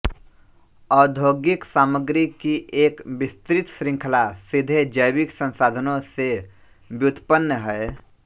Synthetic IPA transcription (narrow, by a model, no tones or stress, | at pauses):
ɔːd̪ʱoːɡɪksaːməɡɾikiʔeːkbɪst̪ɾɪt̪sɾɪ̃ŋkʰəlasɪd̪ʱed͡ʒəjbɪksə̃nsaːd̪ʱənõse | bjʊt̪pənːəɦɛː